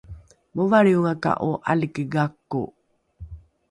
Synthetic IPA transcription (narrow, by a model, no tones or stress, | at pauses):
movaɾiuŋaka̰ʔuʔa̰likəɡakːṵ